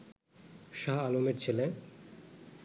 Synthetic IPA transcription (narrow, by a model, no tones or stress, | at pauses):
ʃaɦalomeɾt͡ɕʰele